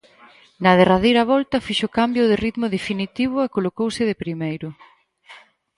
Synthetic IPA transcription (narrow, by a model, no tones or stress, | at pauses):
nɐð̞eraðejɾaβɔlt̪ɐfiʃʊkambjʊðɪrit̪mʊðefinit̪iβ̞ʊekolokowsɪðɪpɾimejɾʊ